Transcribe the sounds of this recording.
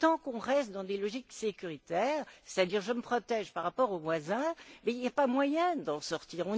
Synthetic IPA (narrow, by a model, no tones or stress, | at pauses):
t̪ɑ̃kɔ̃ʁɛst̪d̪ɑ̃d̪elɔʒiksekʲyʁit̪ɛːʁse̥t̪ad̪iʁʒəməpχɔt̪ɛʒpaʁːapɔʁovwazɛ̃mɛiljapamwajɛ̃d̪ɑ̃sɔʁt̪iːʁɔ̃